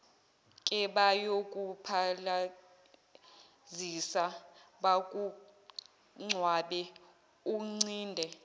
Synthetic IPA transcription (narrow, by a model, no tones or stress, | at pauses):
kʼɛɓajokʼupʰala | zisaɓakʼu | ŋ͡ǀʱwaɓɛ | uŋ͡ǀiːndʱɛ